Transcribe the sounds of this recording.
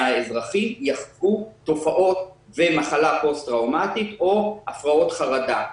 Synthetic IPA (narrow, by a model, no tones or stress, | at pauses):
aezʁaχijaχzɡuto̞faʔo̞t̪vemaχalapo̞st̪ʁawmat̪it̪o̞ʔafʁao̞t̪χaʁad̪a